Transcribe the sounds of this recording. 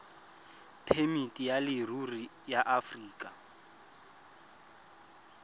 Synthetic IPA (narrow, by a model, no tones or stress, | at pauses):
pʰemitʼijalɪruri | jaʔafriːkʼa